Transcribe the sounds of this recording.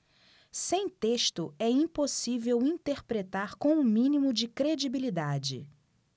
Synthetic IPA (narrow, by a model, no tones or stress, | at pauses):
sẽj̃t̪eʃt̪ʊɛĩposivewĩt̪eɾpɾet̪aɾkõw̃ʊmĩnimʊd͡ʒɪkɾed͡ʒibilid̪ad͡ʒɪ̰